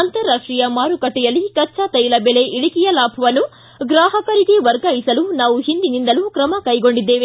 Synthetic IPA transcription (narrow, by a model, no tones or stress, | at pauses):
ɐnt̪ɐɾːaːʂʈɾijɐmaːɾukɐʈːɛjɐlːikɐt͡ʃːat̪ɐjlɐbele̞ʔiɽikijɐlaːpʰɐʋɐnːu | ɡɾaːɦɐkɐɾiɡeʋɐɾɡaːjisɐlunaːʋuɦind̪inind̪ɐlukɾɐmɐkɐjɡo̞ɳɖid̪ːe̞ːʋe